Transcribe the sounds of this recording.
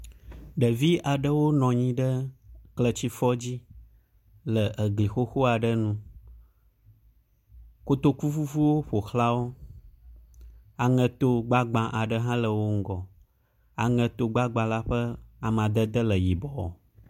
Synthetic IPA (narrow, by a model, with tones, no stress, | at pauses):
ɖə˨vi˦a˨ɖə˦wo˦nɔ̃˨ɲĩ˦ɖə˦klə˨t͡ɕi˦fɔ˦d͡ʑi˦ | lə˨ʔə˨ɡli˨xo˦xo˦a˨ɖə˦nũ˦ | ko˦t̪o˦ku˦fu˦vu˦wo˦ɸo˨xla˦wo˦ | a˨ŋə̃˨t̪o˦ɡ͡ba˦ɡ͡bã˨ʔa˨ɖə˦ɦã˦lə˨wo˦ŋ̩˦ɡɔ˨ | a˨ŋə̃˨t̪o˨ɡ͡ba˦ɡ͡bã˨la˦ɸə˦a˨m˨ã˨d̪ə˦d̪ə˦lə˨ji˨bɔ˨ɔ̰˨